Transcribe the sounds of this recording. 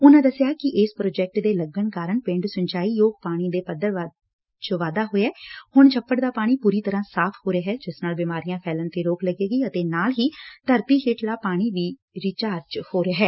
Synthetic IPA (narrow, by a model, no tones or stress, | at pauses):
ʊnãːd̪əsɪjaːkɪʔɪspɾoːd͡ʒɛːk̚ʈd̪eːləɡəɳkaːɾəɳpɪ̃ɳɖsʊɲt͡ʃaːiːjoːɡ̚paːɽ̃iːd̪eːpəd̪ːəɾ | t͡ʃʋaːd̪aːɦoːɛːhʊɳt͡ʃʰəpːəʈd̪aːpaːɽ̃iːpuːɾiːt̪əɾãːsaːpʰhoːɾaɦɛːd͡ʒɪsnaːlbɪmaːɾijãːpʰɛːlənt̪eːɾoːkləɡeːɡiːət̪eːnaːlɦiːt̪əɾt̪iːɦɪʈlaːpaːɽ̃iːʋiː | ɾɪt͡ʃaːɾd͡ʒhoːɾeːɦɛː